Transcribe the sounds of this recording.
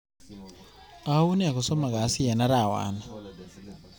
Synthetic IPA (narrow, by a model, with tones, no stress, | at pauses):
a˨˦u˦nɛ˦a˨kɔ˨sɔ˦ma˨ɡa˨˦si˦ja˨na˦ɾa˨wa̰˨˦na˨